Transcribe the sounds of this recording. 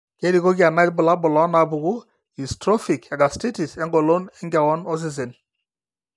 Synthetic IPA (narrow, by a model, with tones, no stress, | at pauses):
ke˦di˨ko˦ɡa˨ma˦i˦t̚bʊ˨la˦bʊ˨lɔ˨˦na˨bu˨ɡu˦ | i˨stɾɔ˦fi˨kɛ˨ɡa˨sti˦ti˨sɛ˦ŋɡɔ˨lo˦nɛ˦ŋɡa˨wɔ˦nɔ˦s̬i˦s̬e˨n